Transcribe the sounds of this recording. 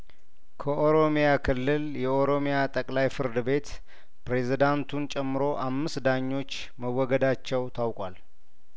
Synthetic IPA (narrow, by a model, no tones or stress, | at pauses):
kʰəʔo̞ɾomejakʰɨlːɨljɛʔo̞ɾo̞mejat̪ʼəkʼlajfɨɾd̪ɨbe̞t̪ | pɾe̞zid̪ant̪ʰunt͡ʃʼɛmːɨɾo̞ʔamːɨsd̪aɲːo̞t͡ʃː | məwːɔɡəd̪at͡ʃːɛwt̪ʰawkʼwal